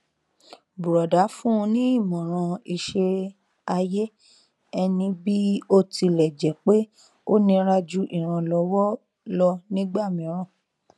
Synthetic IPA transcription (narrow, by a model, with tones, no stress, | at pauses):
bu˨ɾɔ˨da˨˦fũ˦˧nĩ˦i˦˨mɔ̃˨ɾ̃ã˧i˧ʃe˧ | a˧je˦ | ɛ˧nĩ˧bi˦o˦˨ti˧lɛ˨d͡ʒɛ˨k͡pe˦ | o˦nĩ˧ɾa˦d͡ʒu˦ʔi˦˨ɾ̃ã˧lɔ˧wɔ˦ | lɔ˧nĩ˦ɡ͡ba˦˨mĩ˨˦ɾ̃ã˦˨